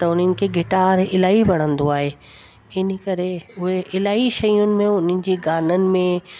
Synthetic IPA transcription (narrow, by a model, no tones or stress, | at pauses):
t̪ɐʊn̤ənɪ̆kʰeːɡɪʈaːɾɪlaːiʋɐɽ̤̃ə̃nd̪oaːɦeː | ɪnə̆kɐɾeʊɦeʔɪlaːiʃɐjʊnɪ̆mẽʊnənɪ̆d͡ʑiːɡaːnənɪ̆mẽ